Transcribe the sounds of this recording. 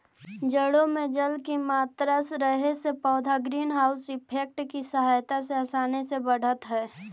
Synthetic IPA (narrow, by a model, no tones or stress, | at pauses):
d͡ʒəɽõmẽd͡ʒəlkimaːt̪ɾəsɾəɦesepɔːd̪ʱaɡɾiːnɦaːʊsɪpʰeːk̚ʈkisəɦaːjt̪aseəsaːnesebəɽ̤ət̪ɦɛː